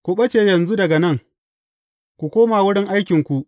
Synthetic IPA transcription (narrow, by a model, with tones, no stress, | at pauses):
kʷu˨ɓɐ˦t͡ʃeː˨jɐ˨nzu˦dɐ˨ɡa˨nɐ˦˨ŋ | kʷu˨kʷoː˦maː˨wʊ˦ɽɪ˦ŋʔa˦jkʲɪ˨ŋkʷu˨ʔ